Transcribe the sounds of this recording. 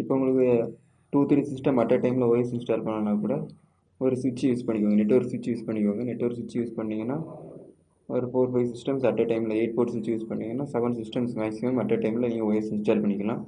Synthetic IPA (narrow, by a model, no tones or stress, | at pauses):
ɪpːoːʊŋɡɐɭɯkː | ʈuːt̪ɪɾisɪsʈɐmɐʈːɐʈɐɪmɪlɐɔjɐsɪnsʈaːlpɐɳːɐlaːkuːɽɐ | ɔɾɯsʊt͡ʃːijuːspɐɳːɪkːʋaːŋɡɐnɛʈːɐɔɾɯsʊt͡ʃːijuːspɐɳːɪk̬ːʋaːŋɡɐnɛʈːɐɔɾɯsʊɪt͡ʃːijuːspɐɳːiːŋɡɐnːaː | ɔɾɯfoːɾfɐɪʋsɪsʈɐmsɐʈːɐʈɐɪmɪlɐeːʈ̚poːʈsɪt͡ʃːijuːspɐɳːiːŋɡɐnːaːsɐʋɐnsɪsʈɐmsʋaːjsɪɐmɐʈːɐʈːɐɪmɪlɐniːŋɡɐɔjɐsɪnsʈaːlpɐɳːɪkʲːɐlãː